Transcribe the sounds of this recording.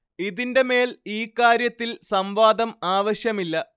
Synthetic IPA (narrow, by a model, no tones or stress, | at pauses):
iðinde̞me̞ːliːkːaːɾjɐt̪ːilsɐmʋaːd̪ɐmaːʋɐɕjɐmilːɐ